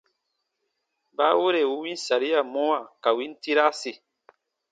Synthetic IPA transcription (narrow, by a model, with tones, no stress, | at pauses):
ba˦wo˦ɾe˨wu˦wĩ˦n˦sa˨ɾi˦a˨mɔ̃˦wa˨ka˨wi˦n˦ti˦ɾa˦se˨